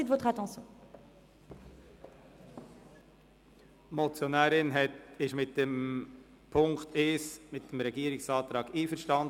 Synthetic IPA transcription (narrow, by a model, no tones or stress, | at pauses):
id̪vot̪χat̪ɑ̃sjɔ̃ | mɔt͡sjɔnæːɾɪnɦɛtɪʃmɪt̚dɛm | pʰʊŋkt̪ʰeːsmɪt̚d̥əmɾɛɡiːɾɪksɑːt̪ɾɑːɡ̥iːfəɾʃtɑnd